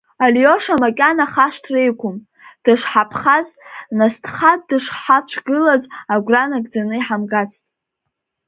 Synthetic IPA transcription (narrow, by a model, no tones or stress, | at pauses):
alio̞ʂamakʲʼanaχaʂtʰrejkʷʰʊm | d̥ɨʂħapʰχaznastʰχad̚dɨʂħat͡ʃʷʰɡɨlazaɡʷranaɡd͡zanɨiħamɡat͡sʰtʼ